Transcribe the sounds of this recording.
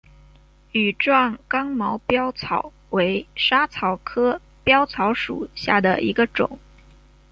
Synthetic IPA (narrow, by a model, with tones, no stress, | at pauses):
y˨˩ʈ͡ʂwɑ˥˩ŋkɑ˥ŋmɑ˧˥ʊpjɑ˥ʊt͡sʰɑ˨˩ʊ | we˧˥ɪʂa˥t͡sʰɑ˨˩ʊkʰɤ˥ | pjɑ˥ʊt͡sʰɑ˧˥ʊʂṵ˨˩ɕja̰˥˩d̪ə˩ʔḭ˧˥ɡə˧ʈ͡ʂʊ̰˨˩˦ŋ